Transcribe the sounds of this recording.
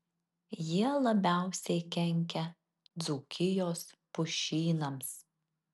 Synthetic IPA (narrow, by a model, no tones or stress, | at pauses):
jiɛlˠɐbʲæˑʊsʲɛɪkʲɛŋʲkʲɛ | d̪zuːkʲɪjoːspʊʃʲiːnɐms